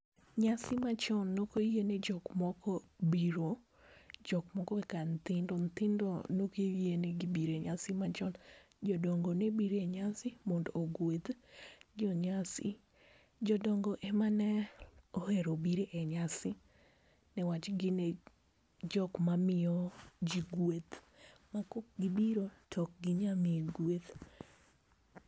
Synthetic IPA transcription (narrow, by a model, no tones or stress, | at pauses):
ɲasɪmat͡ʃɔnːokojened͡ʒɔkmɔkɔbiɾo | d͡ʒɔkmɔkɔɛkant̪ɪndɔnt̪ɪndɔnokejeneɡibiɾeɲasɪmat͡ʃɔn | d͡ʒɔdɔŋɡɔnebiɾɛɲasɪmɔndɔoɡwed̪d͡ʒɔɲasɪ̰ | d͡ʒɔdɔŋɡɔʔɛmanɛɔheɾobiɾeʔɛɲasɪ | nɛwat͡ʃɡɪne | d͡ʒɔkmamɪɔd͡ʒiɡwet̪makɔk̚ɡɪbiɾotʰɔk̚ɡɪɲamiɡwet̪